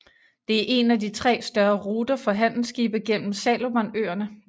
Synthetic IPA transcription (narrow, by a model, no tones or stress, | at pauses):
d̥e̝æɐʔe̝næd̥it͡sʰʁɛ̰ːsd̥ɶɐʁuːd̥ɐfɒ̽ɦæn̰l̩sɡ̥iːb̥ɐɡ̥en̰m̩sɛlo̝mɐnøːɐnə